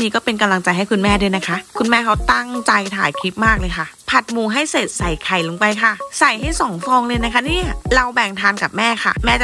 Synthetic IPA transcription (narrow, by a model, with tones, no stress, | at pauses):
niː˦˥kɔː˥˩pe˧nka˧mla˧ŋt͡ɕa˧jɦa˥˩jkʰu˧nmɛː˥˩du˧jna˦˥kʰa˦˥ʔkʰu˧nmɛː˥˩kʰa˦˥wt̪a˥˩ŋt͡ɕa˧jt̪ʰa̰ː˨˩˦jkʰi˦˥t̪̚maː˥˩k̚lɤː˧jkʰa˥˩pʰa˨˩t̪̚muː˧˩ɦa˥˩jseː˨˩t̪̚sa˨˩jkʰa˨˩jlo˨˧ŋpa˧jkʰa˥˩sa˨˩jɦa˥˩jsɔː˩˦ŋfɔː˧ŋlɤː˧jna˦˥kʰa˦˥niː˥˩a˩ɾa˧wbɛ˨˩ŋt̪ʰaː˧nka˨˩p̚mɛː˥˩xʰa̰˥˩mɛː˥˩t͡ɕ